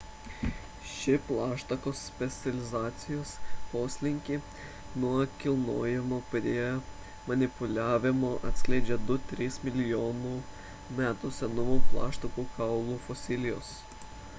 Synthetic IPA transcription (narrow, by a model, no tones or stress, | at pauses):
ʃʲɪplˠɑːʃt̪ɐkoːspʲɛt̪sʲɐlʲɪzɑːt̪sʲɪjoːspoːsʲlʲɪŋʲkʲi | nuɔkʲɪlˠnoːjɛmopʲɾʲiɛ | mɐnʲɪpʊlʲæːʋʲɪmoːʔɐ̰t̪ʲsʲkʲlʲɛɪd͡ʒʲɛd̪ʊt̪ʲɾʲiːsmʲɪlʲɪjoːnuː | mʲæːt̪ʊsʲɛnɔʋoːmplˠɑ̰ːʃt̪ɐkuːkɑʊlˠuːfɔsʲɪlʲɪjo̰ːs